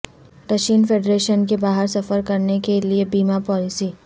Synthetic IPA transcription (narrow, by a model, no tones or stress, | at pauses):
ɾɐʃiːnfeːɖɾeːʃənkebaːɦəɾsɐfəɾkɐɾnekeliebiːmapɔːlɪsiː